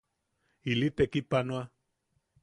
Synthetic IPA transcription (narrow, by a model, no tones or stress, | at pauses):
ilit̪ekipanoa